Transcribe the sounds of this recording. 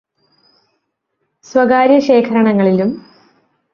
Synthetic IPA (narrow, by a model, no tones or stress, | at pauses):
swɐɡaːɾjɐɕe̞ːkʰɐɾɐɳɐŋːɐɭilum